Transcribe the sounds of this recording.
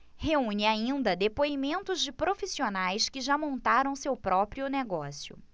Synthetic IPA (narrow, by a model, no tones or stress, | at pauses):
heũɲɪaĩnd̪ɐd̪epoimẽnt̪ʊzd͡ʒɪpɾofisionajskɪʒamõnt̪aɾɐ̃w̃sewpɾɔpɾiʊneɡɔsiʊ̰